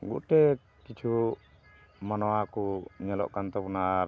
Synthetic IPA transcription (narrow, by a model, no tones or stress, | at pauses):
ɡṵʔʈɛ | kit͡ʃʰu | manɔakuɲɛlɔ̰ʔkant̪ɔpuna